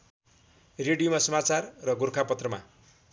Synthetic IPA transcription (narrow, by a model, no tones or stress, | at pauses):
reɽijomasʌmat͡sarːʌɡurkʰapʌt̪rʌma̰